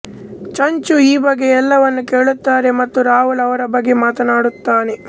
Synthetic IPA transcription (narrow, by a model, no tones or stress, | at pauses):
t͡ʃɐɲt͡ʃuiːbɐɡːeɛlːɐʋɐnːuke̞ːɭut̪ːaːɾe̞mɐt̪ːuɾaːɦulɐʋɐɾɐbɐɡːe̞maːt̪ɐnaːɽut̪ːaːne̞